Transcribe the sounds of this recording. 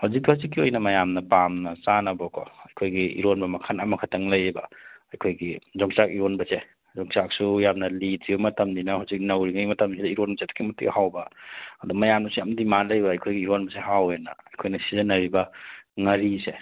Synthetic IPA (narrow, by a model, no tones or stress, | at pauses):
hawzik̚thawzik̬ːiojnɐmɐjamnɐpamnɐsanɐbɔkʰɔɐjkʰojɡiḭɾonbɐmɐkʰanɐmɐkʰatʰɐŋlɐjbɐɐjkʰojɡizɔŋsakiɾonbɐse | zɔŋsak̚sujamnɐlidzibɐmɐtʰɐmdinɐhawzik̚nɐwɾiŋajmɐtʰɐmsʰidɐiɾonbɐseto̥kʰimutḭkhawbɐɐdumɐjamnusujamdimalɐjbɐːjkʰojɡiːɾonbɐseɦawenɐ̰ːjkʰojnɐsizɐnɐɾibɐŋɐɾise